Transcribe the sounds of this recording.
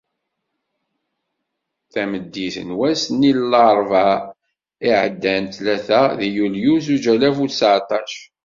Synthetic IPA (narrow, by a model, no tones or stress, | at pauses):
θæməd̪ːiθə̰nwæsnilːɑɾˤvɑ | iʕəd̪ːænt̪læθæðijuljuzud͡ʒælæfusʕt̪ˤɑʃ